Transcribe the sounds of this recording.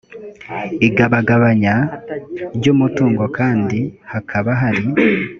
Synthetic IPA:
iɡaβaɡaβaɲa | ɾɟoːmutuːŋɡokaːndihakʰaβaɦaɾi

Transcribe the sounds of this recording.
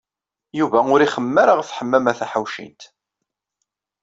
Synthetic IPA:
juvæʊɾiχəmːəɾəʁθħəmːæmæθaħawʃḭnt̪

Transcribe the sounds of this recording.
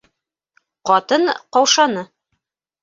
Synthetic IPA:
qɑt̪ɤɴqɑwʃɑnɤ

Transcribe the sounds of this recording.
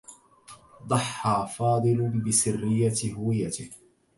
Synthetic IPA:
d̪ˤɑħːaːfɑːd̪ˤɨlbɪbɪsɪrːɪjːaɦʊwɪjːat̪ɪh

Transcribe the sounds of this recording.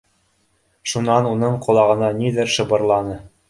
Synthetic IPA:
ʃunɑnunɤɴqŏlˠɑʁɤ̆nɑniðɘɾʃɤ̆bɤ̆ɾlˠɑnɤ

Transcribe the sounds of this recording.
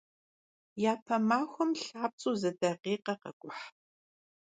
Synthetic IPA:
jaːpʰɐmaːxʷɔmɬaːp̚t͡sʼuːzɨdɐqiːqɐqɐ̰ɡʷʼʊħ

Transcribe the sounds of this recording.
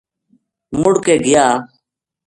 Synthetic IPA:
mʊɽkeːɡɪjaː

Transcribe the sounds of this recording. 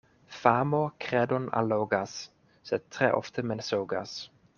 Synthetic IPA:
famɔkʰɾɛd̪ɔna̰loːɡas | sɛt̪ʰːɾɛ̰ːʔɔ̰ft̪ʰəmɛnsoːɡa̰s

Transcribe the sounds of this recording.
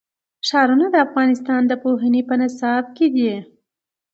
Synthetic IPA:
ʃɑɾunad̪əafɣɑnɪst̪ɑnd̪əpoɦanipənɪsɑb̚ked̪i

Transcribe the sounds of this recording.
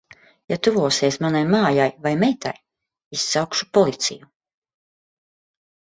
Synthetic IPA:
jat̪uvuɔːseɛsmanajmaːjajvajmɛjt̪a̰j | isːawkʃu̥pɔlˠit̪sḭju

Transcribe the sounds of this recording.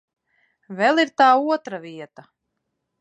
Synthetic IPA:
vɛlˠiɾt̪aːuɔt̪ɾaviɛt̪a

